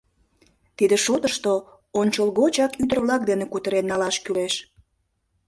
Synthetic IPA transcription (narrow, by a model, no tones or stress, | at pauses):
t̪id̪eʃot̪əʃt̪o | onʲt͡ɕolɣot͡ɕɑkyd̪ərβlɑk̚d̪enekut̪əɾenːɑlɑʃkyleʃ